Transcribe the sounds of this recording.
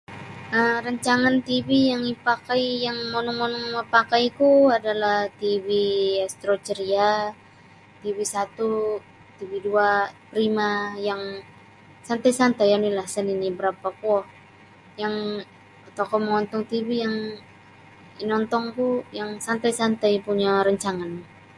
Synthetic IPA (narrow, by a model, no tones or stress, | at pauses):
ʔəɾaɲt͡ʃaŋant̪ibijaŋipakajjaŋmonɔŋmonɔŋɔŋməpakajkuadalaht̪iviast̪ɾot͡ʃəɾia | t̪ibisat̪u | t̪ibiduapɾimajaŋ | sant̪ajsant̪ajanilahsəninibəɾapakɔh | jaŋ | at̪akoməŋɔnt̪ɔŋt̪ivijaŋ | inɔnt̪ɔŋkujaŋsant̪ajsant̪ajpuɲaɾəɲt͡ʃaŋan